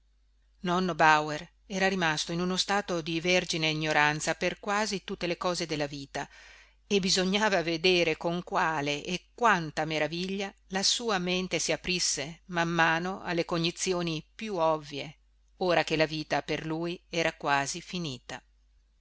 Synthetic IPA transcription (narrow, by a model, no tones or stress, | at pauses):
nɔnːobawer | ɛːɾaɾimast̪oinunost̪aːt̪od̪iverd͡ʒineiɲːoɾant̪saperkwaːzit̪ut̪ːelekɔːzed̪elːaviːt̪a | ebizoɲːaːvaved̪eːɾekoŋkwaːleʔːkːwant̪ameɾaviʎːalasuːament̪esiapɾisːemamːaːnoʔa̰lːekond̪it̪sːjoːnipjuɔvːje | oːɾakelaviːt̪aperluːjɛːɾakwaːzifiniːt̪a